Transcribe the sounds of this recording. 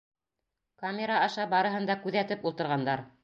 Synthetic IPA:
kamʲeɾaɑʃɑbɑɾɤ̆ɦɤ̆nd̪ɑkʉðæt̪ɘpulˠt̪ɤ̆ɾʁɑnd̪ɑɾ

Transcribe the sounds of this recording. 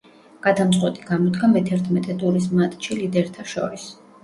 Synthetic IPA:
ɡ̥ad̪amt̪sʼqʼwɛt̪ʼiɡamɔd̪ɡamɛt̪ʰɛɾt̪ʰmɛt̪ʼɛt̪ʼuɾis̬mat̪ʼt͡ʃilid̪ɛɾt̪ʰaʃɔ̰ɾis

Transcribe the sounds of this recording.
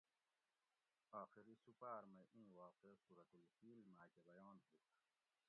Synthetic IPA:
aːxiɾisupaːɾmẽʔĩːwaːqesuɾɐt̪ulfiːlmaːkebɐjoːnɦuː

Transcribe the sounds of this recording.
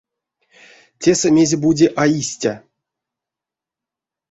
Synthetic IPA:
tʲesəmʲe̞zʲebudʲeʔaisʲtʲa

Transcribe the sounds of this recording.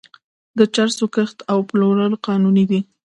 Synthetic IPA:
d̪ət͡ʃaɾsokəxt̪awploɾəlqɑnunid̪i

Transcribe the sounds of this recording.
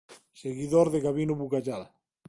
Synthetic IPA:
seɣiðoɾðeɣaβinuβukaʒal

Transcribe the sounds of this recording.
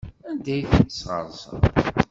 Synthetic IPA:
ænd̪æjθənəsʁə̰ɾˤsə̰

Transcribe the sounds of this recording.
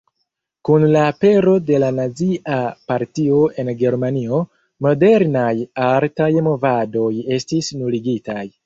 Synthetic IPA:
kunlaːpe̞ɾo̞de̞lanaziʔapaɾtio̞ʔe̞nɡe̞ɾmanio̞ | mo̞de̞ɾnajaɾtajmo̞vado̞je̞stisnuliɡitaj

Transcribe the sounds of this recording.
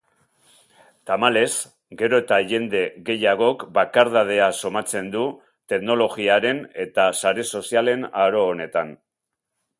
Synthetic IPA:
t̪amale̞s | ɡe̞ɾo̞et̪aʝe̞nd̪e̞ɣe̞jaɣ̞o̞kbakaɾðað̞e̞aso̞mat͡se̞nd̪u | t̪e̞kno̞lo̞ɣiaɾe̞ne̞t̪asaɾe̞so̞siale̞naɾo̞ːne̞t̪an

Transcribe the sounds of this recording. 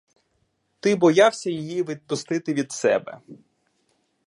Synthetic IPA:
t̪ɪbɔjɑwsʲɐjɪjiʋɪd̪̚pʊst̪ɪt̪ɪʋʲid̪sɛ̰bɛ̰

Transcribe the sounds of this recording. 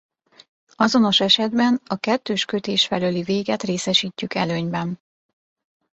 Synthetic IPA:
ɒzo̞no̞ʃɛʃɛd̪bɛnɒkɛt̪ːøːʃkø̞t̪eːʃfɛløliveːɡɛt̪reːsɛʃiːcːykɛløːɲbɛn

